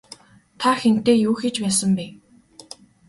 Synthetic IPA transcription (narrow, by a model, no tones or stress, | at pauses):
t̪ʰaxen̥t̪eːjuːxet͡ɕpæːsə̆mpeː